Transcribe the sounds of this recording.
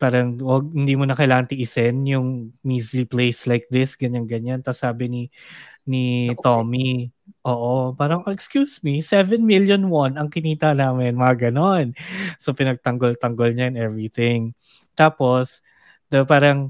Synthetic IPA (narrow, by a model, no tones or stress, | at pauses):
paːɾɐŋwɐɡ̚hɪnd̪iːmonɐkɐjlaːŋɐnt̪ɪʔɪsɛnjʊŋmisliplejslajk̚d̪ɪsɡɐɲaŋɡɐɲant̪ɐsaːbɪninit̪omiʔoːʔopaːɾɐŋɛkskjusmisɛvɛnmiljonwanɐŋkɪniːt̪ɐnaːmɛnmɐŋaɡɐnonsopɪnɐɡ̚t̪ɐŋɡolt̪ɐŋɡolɲɐɛnɛvɹiθɪŋ | t̪aːpo̞s | d̪ɐpaːɾɐŋ